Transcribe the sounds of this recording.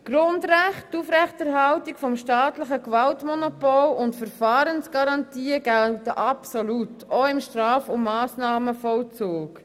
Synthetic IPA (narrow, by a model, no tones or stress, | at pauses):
ɡ̥ɾʊndɾæχttuːfɾɛχtɛɾɦɑltikfɔmʃtɑːtləχəkvɑltmɔnɔpɔlʊntfəɾfɑːɾənsɡ̥ɑɾɑntiːɡ̥ɛltəʔɑpsolutoɪmʃtɾɑːfʊmːɑːsnɑːməfɔlt͡suːk